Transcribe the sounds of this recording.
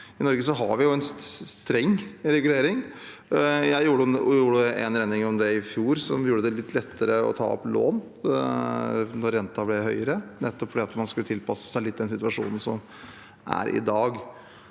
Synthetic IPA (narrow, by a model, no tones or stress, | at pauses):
ɪnɔɾɡəsɔɦɑɾʋɪjʊɛnsst̪ɾɛŋːɾɛɡʉleːɾɪŋ | jæɪjuːɖjuːɖəʔɛ̰nɾɛnɪŋɔmd̪ɛɪfjuːɾsɔmjuːɖəd̪ɛlɪt̪ːlɛt̪ːəɾəɔ̰t̪ʰɑ̰ːɔ̰plo̰ːn | nɔɾːɛnt̪ɑblɛɦœʏəɾənɛt̪ːɔpfɔɖiːɑt̪mɑnskʉət̪ʰɪlpʰɑsə̥sæɪlɪt̪ːɪd̪ɛnsɪt̪ʉʋɑʂṵːnn̩sɔ̰m | ʔæ̰ɾʔɪ̰d̪ɑːɡ